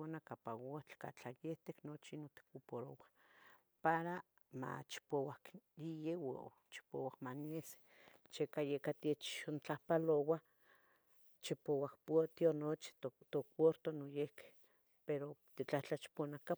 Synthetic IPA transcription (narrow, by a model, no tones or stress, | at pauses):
onakapawot͡ɬka̰t͡ɬajeht̪eknot͡ʃinot̪i̥kupoɾowa | paɾa | ma̰t͡ʃi̥powakjijewo̰ | t͡ʃi̥po̰wakmaniese̥ | t͡ʃekajekat̪et͡ʃont͡ɬahpalowa | t͡ʃipowahpot̪ionot͡ʃi̥t̪okwoɾt̪onojehke̥ | peɾot̪it͡ɬaht͡ɬat͡ʃi̥ponaka